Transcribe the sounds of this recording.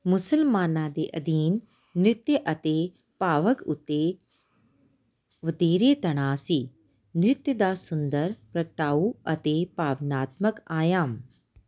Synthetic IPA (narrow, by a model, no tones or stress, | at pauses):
mʊsəlmaːnãːd̪eːʔɐd̪iːnː | ɾɪt̪jəʔɐt̪e | paːʋəkʊ̰t̪ːe | ʋəd̪eːɾeːt̪ɐɽ̃aːsi | nɾɪt̪jəd̪aːsʊnd̪əɾpɾɐkʈaːuɐt̪epaːʋnaːt̪məkaːjaːm